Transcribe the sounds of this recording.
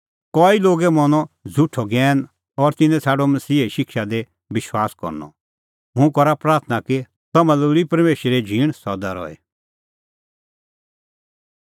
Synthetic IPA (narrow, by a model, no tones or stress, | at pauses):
kɔːiloːɡemɔnɔ̃d͡zʱʊʈʰɔɡɛːn | ɔɾt̪ɪnɛ̃t͡sʰaːɖomɐsiːeʃɪkʃad̪e | bɪʃwaːskɔ̰ɾnɔ̰ | mũkɔɾapɾaːɾt̪ʰnaki | t̪ɐmɐluɾipɐɾmeːʃɾed͡ʒʱiːɽ̃sɔd̪aɾɔ̰ɛ̰